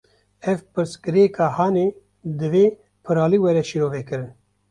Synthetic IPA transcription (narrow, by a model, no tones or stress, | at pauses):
ɛvpɨɾskɨɾekɑːhɑːne | d̪ɨveː | pʰɨɾaːliwɛɾɛʃiɾoːvɛkɨɾɨn